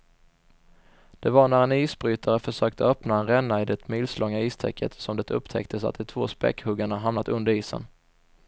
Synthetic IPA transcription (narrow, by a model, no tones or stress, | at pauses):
d̪̥ɛvaɳæɾɛniːsbɾyːt̪ʰaɾəfœʂøːk̚t̪ʰəœːpnaɛnɾɛnːaɪd̪ɛt̪mɪlslʔɔŋːaiːst̪ʰɛ̰kʰːət̪sɔmd̪ɛt̪ʰɵpːt̪ʰɛ̰kt̪ʰəsa̰t̪̚d̪ɪt̪ʰvoːspɛ̰kːhɵɡaɳaɦamnat̪ɵnd̪əɾiːsə̰n